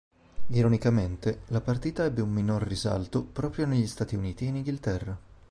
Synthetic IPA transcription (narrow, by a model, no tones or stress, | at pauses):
iɾonikament̪elapart̪iːt̪aɛbːeumːinorːiza̰lt̪opɾɔːpɾjoneʎːist̪aːt̪iuniːt̪iːniŋɡilt̪ɛrːa